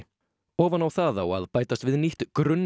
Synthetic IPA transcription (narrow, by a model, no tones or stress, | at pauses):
ɔːvanawθaðawa̰ðpaːjt̪ast̪vɪðniht̪kɾʏnː